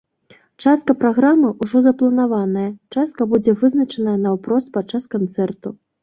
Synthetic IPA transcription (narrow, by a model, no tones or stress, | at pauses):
t͡ʂast̪̚kɐpɾaɣɾamɨʔuʐɔzɐplˠɐnavanɐjɐt͡ʂast̪̚kɐbud͡zʲɛvɨznɐt͡ʂɐnɐjɐnɐwpɾɔspat͡ʂːaskant̪sɛrt̪u